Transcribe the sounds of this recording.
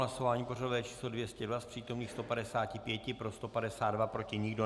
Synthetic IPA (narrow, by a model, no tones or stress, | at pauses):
laso̞vaːɲiːporadovɛːt͡ʃi̥ːslo̞dvjɛscɛdvaspr̥iːt̪o̞mniːxst̪o̞padɛsaːcɪpjɛcɪpɾo̞st̪o̞padɛsaːd̪dvapɾo̞cɪɲɪɡdo̞